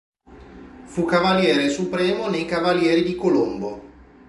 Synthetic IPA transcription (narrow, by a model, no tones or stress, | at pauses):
fukavaljɛːɾesupɾɛːmonejkavaljɛːɾid̪ikolombo